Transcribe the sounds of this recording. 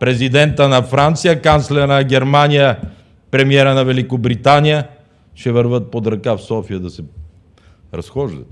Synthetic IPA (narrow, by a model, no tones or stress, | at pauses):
pɾɛzid̪ɛnt̪ənɐfɾant̪sijəkant̪slɛɾənɐɡʲɛɾmanijə | pɾɛmiɛɾənɐvɛlikobɾit̪anijə | ʃɛvəɾvət̪̚pod̪ɾɐkafsɔfijəd̪ɐsɛ | ɾɐsxɔʒd̪ə̰t̪